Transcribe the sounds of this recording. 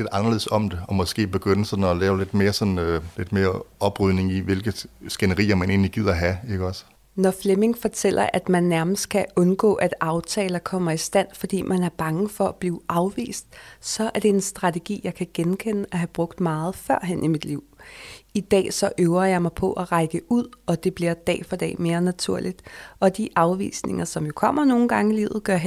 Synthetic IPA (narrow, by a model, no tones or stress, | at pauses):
le̝d̥ɑ̈nɐle̝ð̩̰ˠsɒ̽md̥e̝ɒmɒ̽sɡ̥e̝̰ːb̥e̝ɡ̥øn̰əsɒ̽dn̩ɒlɛːʊle̝d̥me̝ːɐsɒ̽n̩øle̝d̥me̝ːɐɒ̽b̥ʁyð̰ˠne̝ŋiʋe̝lɡ̥əsɡ̥enɐʁḭːɐmæne̝̰ːnliɡ̥ið̰ˠɐɦæe̝ɡ̥əɒ̽s | nɒfleme̝ŋfɒ̽t͡sʰel̰ɐʔæd̥mænːæɐməsd̥̚kʰæɔ̽nɡ̥ɔ̰̽ːʔæd̥ɑ̈ʊt͡sʰɛːlɐkʰɒ̽m̰ɐisd̥æn̰fɒ̽d̥ḭːmʔænæɐb̥ɑ̈ŋəfɒ̽æb̥liːʊʔɑ̈ʊʋḭːsd̥sɒ̽æɐd̥e̝e̝nsd̥ʁɑ̈t͡sʰeɡ̥ḭːjɑ̈ɪkʰæɡ̥enkʰen̰əæɦæb̥ʁɔ̽ɡ̥d̥mɑ̈ːð̞̩ˠfɶɐ̰ɦenʔimid̥liʊ̰id̥ɛ̰ːsɒ̽ʔøʊɐjɑ̈ɪmɑ̈ɪpʰɒ̽ʔæʁɑ̈ɪɡ̥əuð̰ˠɒ̽d̥e̝b̥liɐd̥ɛ̰ːfɒd̥ɛ̰ːme̝ːɐnæt͡sʰuɐ̰lid̥ɒ̽d̥iʔɑ̈ʊʋḭːsne̝ŋɐsɒ̽mjo̝kʰɒ̽m̰ɐno̝ːn̩ɡ̥ɑ̈ŋəilḭʊð̩ˠɡ̥ɶɐ̰ɦ